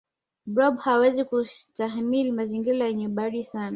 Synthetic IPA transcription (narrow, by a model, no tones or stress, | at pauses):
bɾɔɓhawɛzikutaɦmilimaziŋɡiɾajɛɲɛɓaɗisana